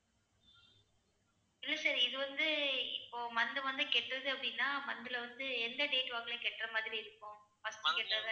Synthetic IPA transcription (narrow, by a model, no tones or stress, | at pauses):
ɪlːɐsɐːɾiɪðɯʋɐnd̪ɯɪpːoːmɐnd̪ɯʋɐnd̪ɯkɛʈːrɐðɯɐpːɐɽɪnːaːmɐnd̪ɯlɐʋɐnd̪ɯɛnd̪ɐɖeːʈʋaːɡɐlẽkɛʈːrɐmaːðɪɾiɪɾɯkːʊ̃ | fɐsʈɯkɛʈːrɐðɯ